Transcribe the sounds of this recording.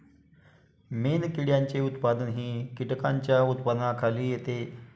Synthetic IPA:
menkiɽjaɲt͡ɕeut̪pad̪ənɦiːkiʈəkaɲt͡ɕjaut̪pəd̪nakʰaliːjet̪e

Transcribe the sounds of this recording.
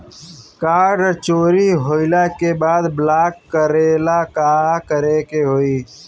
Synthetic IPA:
kaːɖt͡ʃoːɾiɦoːɪlakebaːd̪blaːkːəɾeːlakaːkəɾekeɦoːiː

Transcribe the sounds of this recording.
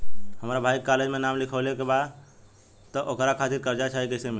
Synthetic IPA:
həmɾabʱaikaled͡ʒmenamlikʰəlekebad̪ | t̪ɔʔokɾakʰat̪iɾkəɾd͡ʒat͡ʃʰaɦikəɪsemi

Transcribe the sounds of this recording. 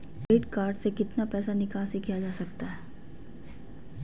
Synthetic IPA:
eːʈkaːɾɖsekɪt̪napɛːsanɪkaːsekijad͡ʒaːsɐk̚t̪aɦɛː

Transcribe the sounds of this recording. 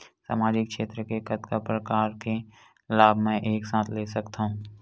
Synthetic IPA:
sa̰ːmaːd͡ʒɪkʃeːt̪ɾəkekɐt̪kapɾəkaːɾke | laːbʱmɛ̃ʔeːksãːt̪ʰleːsɐkt̪aɦũː

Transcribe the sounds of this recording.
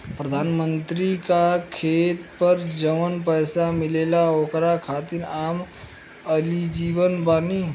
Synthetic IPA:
pɾəd̪ʱaːnmənt̪ɾikakʰeːt̪pəɾd͡ʒəʋənpəjsamɪleːlaoːkɾakʰaːt̪iɾaːm | əlid͡ʒiːʋənbaːni

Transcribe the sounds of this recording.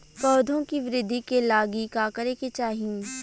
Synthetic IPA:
kɔːd̪ʱõkiʋɪɾɪd̪ʱːikelaːɡikaːkəɾeket͡ʃaːɦĩ

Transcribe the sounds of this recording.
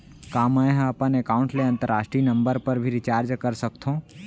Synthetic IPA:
kaːməjɦɐpənekaːʊ̃ɳʈleɐ̃nt̪əɾaːʃʈɾiːnɐ̃mbəɾpəɾbʱiɾɪt͡ʃaːɾd͡ʒkɐɾsɐkt̪ʰõː

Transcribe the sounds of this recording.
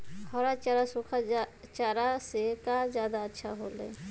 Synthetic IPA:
ɔːɾat͡ʃaɾasukʰat͡ʃaːɾasekazjaːd̪aətːʃʰa̰ɦoːlḛː

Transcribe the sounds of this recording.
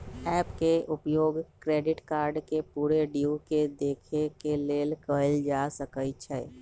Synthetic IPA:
ɛːpkeʔʊpjoːɡkɾeːɖɪʈkaːɾɖkepuːɾeɖiuked̪eːkʰekeleːlkəld͡ʒasəkət͡ʃʰɛ

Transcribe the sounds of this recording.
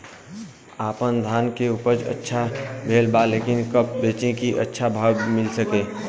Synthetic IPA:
aːpənd̪ʱaːnkeuːpəɾd͡ʒə̰tːʃʰabʱeːlbaleːkɪnkəp̚beːt͡ʃẽkiʔə̰tːʃʰabʱaːwmɪlsəkẽː

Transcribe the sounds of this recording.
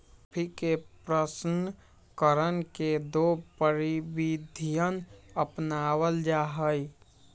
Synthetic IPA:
pʰikepɾəsn | kəɾənked̪opəɾibid̪ʱijənəpnawəld͡ʒaɦəj

